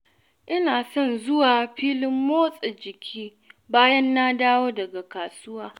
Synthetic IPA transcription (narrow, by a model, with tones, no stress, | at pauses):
ʔɪ˦naː˨sɔ˦˨nzʊ˦waː˨ɸiː˦lɪ˦mːoː˦sʼe˨d͡ʒɪ˨kʲʰiː˦ | baː˦jɐ˦nːa˦daː˦woː˦dɐ˨ɡa˨kaː˨sʊ˦waː˦